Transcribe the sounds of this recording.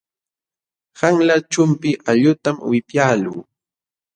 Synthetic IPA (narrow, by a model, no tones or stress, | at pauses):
haŋlat͡ʃʊmpɪʔaʎʊt̪amwɪpjaːlṵː